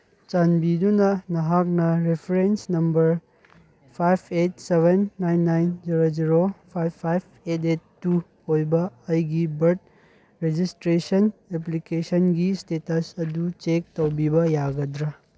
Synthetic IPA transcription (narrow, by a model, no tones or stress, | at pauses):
t͡ʃanbidunɐnɐɦak̚nɐɾepʰɐɾensnɐmbɐɾ | pʰajpʰet̚sebʱenːajnːajnd͡ʒiɾod͡ʒiɾopʰajbʰajpʰetet̚ːu | hojbɐːjɡibɐɾd̚ | ɾed͡ʒistɾesɐnep̬likesɐnɡistetɐsɐdut͡ʃek̚towbibɐjaɡɐdɾɐ